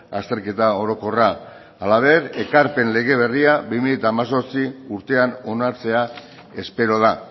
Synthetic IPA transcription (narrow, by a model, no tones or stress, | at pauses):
ast̪e̞ɾke̞t̪ao̞ɾo̞ko̞ra | alaβe̞ɾe̞kaɾpe̞nle̞ɣ̞e̞βe̞riabimilet̪aːmaso̞ɾt͡siuɾt̪e̞ano̞naɾt͡se̞a | e̞spe̞ɾo̞ð̞a